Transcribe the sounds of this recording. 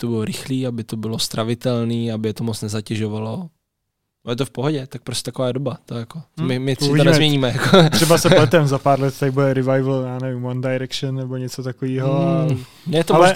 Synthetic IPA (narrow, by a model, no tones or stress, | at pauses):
t̪obɪloɾɪxliːabɪt̪o̞bɪlo̞st̪ɾavɪt̪ɛlniːabɪjɛt̪omot͡snɛzacɛʒovalo̞ | ajɛt̪ofpoɦoɟɛt̪ak̚pɾostʲcɛ̥t̪akovaːdobat̪ojakoomɪmɪɪit̪onɛzmɲɛɲiːmɛjakot̪ɾ̥ɛbasɛlɛt̪ɛmzapaːɾlɛt̪t̪adɪbudɛɾɪvajvl̩jaːnɛvɪmwandajɾɛkʃɛnːɛboɲɛt͡sot̪akoviːɦo | nɛɛt̪oalɛ